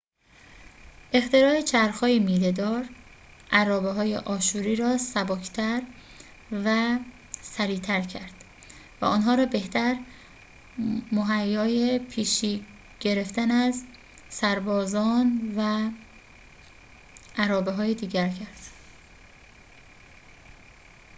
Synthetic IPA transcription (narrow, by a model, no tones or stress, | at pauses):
ʔe̞χt̪e̞ɾɒːet͡ʃʰæɾxɒːjemiːled̪ɒːɾ | ʔæɾɒːbeɦɒːje̞̰ʔɒːʃuːɾiːɾɒːsæbɒːcʰt̪ʰæɾ | væ | sæɾiːt̪ʰæɾcʰæɾd̪̥ | væ̰ɔnɦɒːɾɒːbe̞ht̪ʰæɾ | moɦæjːɒːjepʰiːʃiː | ɟ̥e̞ɾe̞ft̪ænæz | sæɾbɒːzɒːnvæ | ʔæɾɒːbeɦɒːjed̪iːɟæɾcʰæɾd̪̥